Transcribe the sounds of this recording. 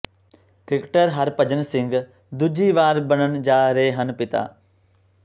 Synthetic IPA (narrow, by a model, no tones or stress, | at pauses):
kɪkʈəɾɦɐɾpəd͡ʒənsɪ̃ŋɡ | d̪ʊd͡ʒiːʋaːɾbənənd͡ʒaːɾeɦeɦənpɪt̪a̰ː